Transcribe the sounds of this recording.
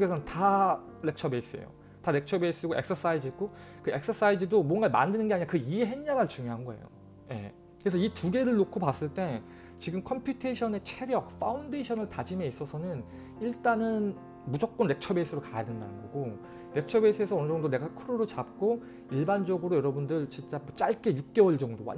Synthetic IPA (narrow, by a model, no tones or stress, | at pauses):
ɡesʰʌɯnta | ɾe̞k̚t͡ɕʰʌbeis͈ɯḛjo̰ | taɾe̞k̚t͡ɕʰʌbeis͈ɯɡoeks͈ʰʌs͈aid͡ʑiik̚k͈o | kɯe̞k̚s͈ʰʌs͈aid͡ʑɯdomʌnɡama̰ndɯnɯnɡe̞aɲiɲakɯieɦe̞ɲɲaɡaɭt͡ɕuŋjoɦanɡʌe̞̰jo̰ | je̞̰ | kɯɾesʰʌituɡe̞ɾɯɭːokʰopas͈ɯɭt͈e̞ | t͡ɕiɡɯmkʰʌmpʰjutʰeɕʰʌne̞t͡ɕʰeɾjʌk̚fʰaunde̞ɕʰʌnɯɭtad͡ʑime̞is͈ʌsʰʌnɯn | iɭt͈anɯn | mud͡ʑʌk̚k͈ʌnːe̞k̚t͡ɕʰʌbeis͈ʰɯɾokajadenda̰nɯnɡʌɡo | ne̞k̚t͡ɕʰʌbeis͈ʰɯe̞sʰʌʌnɯd͡ʑʌŋdone̞ɡakʰɯɾoɾɯt͡ɕap̚k͈o | iɭband͡ʑʌɡɯɾojʌɾʌbundɯɭt͡ɕint͡ɕ͈amwʌt͡ɕ͈aɭk͈e̞juk̚k͈ewʌɭd͡ʑʌŋdowa̰